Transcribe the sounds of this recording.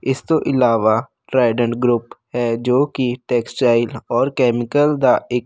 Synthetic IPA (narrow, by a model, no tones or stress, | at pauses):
ɪst̪oʔɪlaːʋa | ʈɾaːɪɖə̃ɳʈɡɾʊpɦɛːd͡ʒoːkiʈɛːksʈt͡ʃaːɪlɔːɾkɛːmɪkəld̪aɪːk